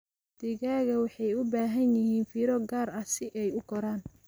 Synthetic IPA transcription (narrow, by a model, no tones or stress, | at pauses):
d̪̥ɪɣaːɣɐwɑħɑjʊbaːɦɐnjɪɦiːnfiːɾɔɡaːɾɐsɪʔɛjʊkɔɾaːn